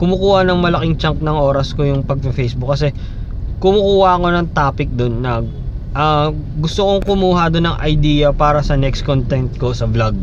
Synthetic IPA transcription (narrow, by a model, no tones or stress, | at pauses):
kʊmʊkuːhɐnɐŋmɐlɐkɪŋt͡ʃɐŋk̚nɐŋʔo̞ːɾɐskojʊŋpɐɡ̚pɛfejsbʊk̚ːɐsɛ | kʊmʊkuːhɐko̞nɐŋt̪aːpɪk̚d̪onːɐ | ʔɐ | ɡʊst̪oko̞ŋkʊmuːɦɐd̪onːɐŋʔɐjd̪iːjɐpaːɾɐsɐnɛkskont̪ɛnt̪̚ko̞sɐblɐɡ̚